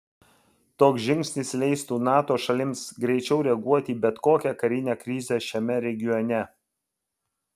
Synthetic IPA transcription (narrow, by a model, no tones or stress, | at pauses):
t̪oːksʒʲɪŋʲksʲnʲɪslʲɛɪst̪uːnɑːt̪oːʃɐlʲɪmsɡɾʲɛɪt͡ʃʲɛʊɾʲɛɡuɔt̪ʲiːbʲɛt̪koːkʲɛkɐɾʲɪnʲeːkɾʲɪzʲɛʃʲɛmʲɛɾʲɛɡʲɪjɔnʲɛ